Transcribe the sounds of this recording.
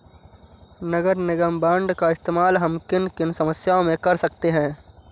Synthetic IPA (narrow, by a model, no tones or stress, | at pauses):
nɐɡəɾnɪɡəmbãːɳɖkaɪst̪eːmaːlɦɐmkɪnkɪnsɐməsjaːõmẽkɐɾsɐk̚t̪eɦɛ̃ː